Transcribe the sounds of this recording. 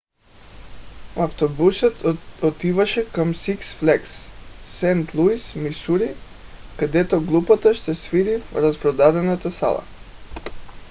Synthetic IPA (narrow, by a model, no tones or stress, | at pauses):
aft̪obusət̪ɔt̪ivaʃɛkamsiksflɛksːɛnt̪lˠuismisuɾi | kad̪ɛt̪ɔɡlˠupat̪aʃt̪ɛsviɾifɾaspɾɔd̪ad̪ɛnat̪asa̰lˠa̰